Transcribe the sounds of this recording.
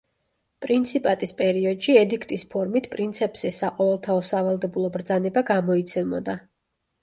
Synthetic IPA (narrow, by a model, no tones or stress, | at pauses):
pʼɾint̪sʰipʼat̪ʼispʼɛɾiɔd̪ʃiɛd̪ikʰt̪ʼispʰɔɾmit̪ʰpʼɾint̪sʰɛpʼsɛsaqʼɔvɛlˠt̪ʰaɔsavalˠd̪ɛbulˠɔbɾd̪zanɛbaɡamɔit̪sʰɛmbɔd̪a